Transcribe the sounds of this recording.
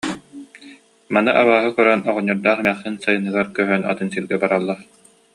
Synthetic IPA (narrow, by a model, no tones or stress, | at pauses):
manɯʔaβaːɦɯkœɾanɔʁɔɲːɔɾd̪aːχɛmɛχsɯnsajɯnɯɡaɾkœɦœna̰t̪ɯnsilɡɛbaɾalˠːa